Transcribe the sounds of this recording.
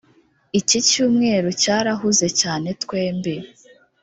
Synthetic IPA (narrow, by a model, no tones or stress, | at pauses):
icicuːmŋe̞ːɾocaːɾaɦuze̞caːne̞tkwe̞ːmbe